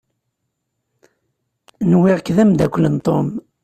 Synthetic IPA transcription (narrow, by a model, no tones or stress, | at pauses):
nwɪʁkðæmd̪ækʷːlənt̪ˤom